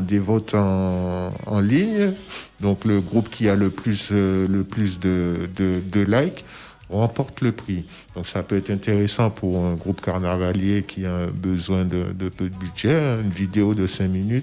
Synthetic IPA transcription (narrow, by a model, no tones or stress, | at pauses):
d̪evɔt̪ʰɑ̃ | ɑ̰̃liɲd̪ɔ̃kləɡʁupkʲʰialəplysləplysd̪əd̪əd̪əlajk | ʁɑ̃pɔʁt̪ləpχi | d̪̥ɔ̃ksapøɛt̪χɛ̃t̪eʁesɑ̃pʰuʁɛ̃ɡʁupkaʁnavaljekʲʰiaɛ̃bəzwɛ̃d̪ə̰d̪əpød̪əbyd̪ʒɛynvid̪eod̪əsɛ̃minyt̪